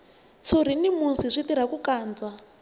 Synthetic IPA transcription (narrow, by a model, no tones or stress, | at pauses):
t͡sʰuɾ̤inimunsiʂʷitiɾ̤akukaːnd͡za